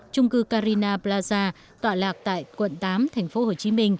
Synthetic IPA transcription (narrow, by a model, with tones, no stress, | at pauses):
t͡ɕʊ˧ŋ͡mkɨː˧kaː˧ɾi˧naː˧plaː˧zaː˧ | t̪waː˨˩laː˨˩k̚t̪a̰ː˧˨jkwə̰˧˨nt̪aː˨˦mt̪ʰɛ˨˩jŋ̟fo˨˦ho˨˩t͡ɕi˨˦mï˧ŋ̟